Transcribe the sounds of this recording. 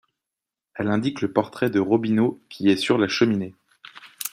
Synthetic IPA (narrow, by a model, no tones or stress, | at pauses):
ɛlɛ̃d̪ikləpɔʁt̪χɛd̪əʁɔbinokʲiɛsyʁlaʃəmine